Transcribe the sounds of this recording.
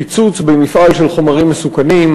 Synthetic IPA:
it͡sut͡sbemifʔalʃe̞lχo̞maʁimːesukanim

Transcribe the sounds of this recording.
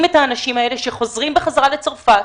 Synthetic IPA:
met̪aːnaʃimaeleʃeχo̞zʁimbeχazʁalet͡soʁfa

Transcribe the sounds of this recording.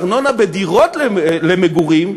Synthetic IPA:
ʁnonabed̪iʁot̪lelemeɡuʁim

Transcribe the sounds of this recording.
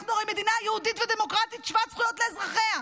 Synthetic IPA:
χnuʁoime̞d̪inaːjehud̪itved̪e̞mo̞kʁat̪it̪ʃvat͡sχujo̞t̪leːzʁaχe̞a

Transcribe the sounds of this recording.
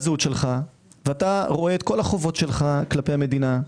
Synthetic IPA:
zutʃe̞lχa | veataʁo̞eet̪ko̞laχovo̞tʃe̞lχaklape̞jame̞d̪ina

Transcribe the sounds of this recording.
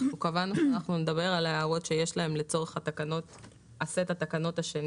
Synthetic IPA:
ukavanuʃanaχnune̞d̪aβe̞ʁalaeaʁo̞tʃejeʃlae̞mlet͡so̞ʁeχat̪akano̞t | asetat̪akano̞taʃen

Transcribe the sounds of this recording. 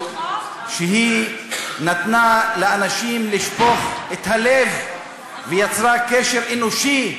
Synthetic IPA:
ʃeɦi | nat̪naleːnaʃimliʃpo̞χet̪halev | vejat͡sʁakeʃeʁenoʃi

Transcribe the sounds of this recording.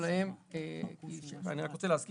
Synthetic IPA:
laemekiʃa̰niʁakʁot͡seleazki

